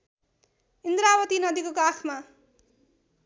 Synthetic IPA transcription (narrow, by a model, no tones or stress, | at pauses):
ind̪ɾawʌt̪inʌd̪ikokakʰma